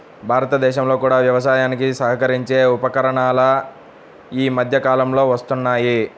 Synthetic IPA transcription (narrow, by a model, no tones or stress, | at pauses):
bʱaːɾɐt̪ɐd̪ɛːʃɐmlo̞ːkuːɽaːʋjɐʋɐs̬aːjaːnikisɐɦɐkɐɾiɲt͡ʃe̞ːupɐkɐɾɐɳaːlɐ | iːmɐd̪ʱjɐkaːlɐmlo̞ːʋɐst̪unːaːji